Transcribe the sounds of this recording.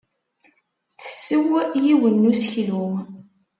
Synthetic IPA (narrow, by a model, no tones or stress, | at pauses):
θə̥sːəwjiwənːusçlum